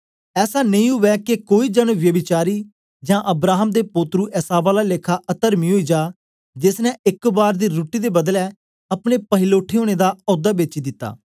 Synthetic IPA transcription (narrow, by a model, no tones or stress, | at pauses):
ɛːsaːnəĩːɦʊʋɛːkekoːiːd͡ʒənʋjəbɪt͡ʃaːɾiː | d͡ʒãːʔəbɾaːɦəmd̪eːpoːt̪ɾuːʔɛsaːbaːlaːleːkʰaːʔət̪əɾmiːɦoːiːd͡ʒaː | d͡ʒɪsnɛ̃ːɪkbaːɾd̪iːɾuːʈiːd̪eːbəd̪lɛː | əpɽ̃eːpəɦɪloːʈʰːeːɦoːɽ̃eːd̪aːɔːd̪aːbet͡ʃiːd̪ɪt̪ːa̰ː